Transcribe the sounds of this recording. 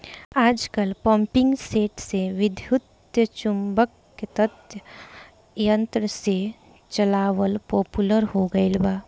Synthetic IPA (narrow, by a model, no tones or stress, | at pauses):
aːd͡ʒkəlpɔ̃ːmpɪ̃ŋɡseːʈseʋɪd̪ʱjʊt̪ | jət͡ʃʊmbəkːet̪ət̪jə | jə̃nt̪ɾəse | t͡ʃɐlaːʋəlpoːpuləɾɦoɡəilbaː